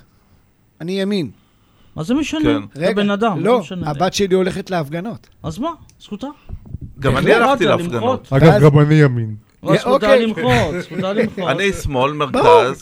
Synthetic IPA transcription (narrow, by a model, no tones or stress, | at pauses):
anijamin | azemeʃankenʁeɡbenad̪amlo̞ʃnabat̪ʃelio̞leχetleafɡano̞t | azmasχut̪aɡammanialat̪ileaifmɡanot̪aaɡabanijamin | ot̪elimosualmanismo̞lmeʁbaʁauz